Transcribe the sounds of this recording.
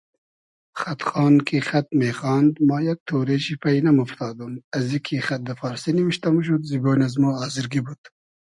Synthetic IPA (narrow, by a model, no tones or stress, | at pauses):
xɐt̪χɑːnkʰixɐt̪̚meːxɑːnd̪mɑːjɐk̚t̪ʰoːɾeʃipɐinɐmuft̪ʰɑːd̪umɐzikʰixɐt̪̚d̪ɐfɑːɾsinimiʃt̪ɐmuʃ̬ud̪ziboːnazmoːɑːziɾɡibud̪̥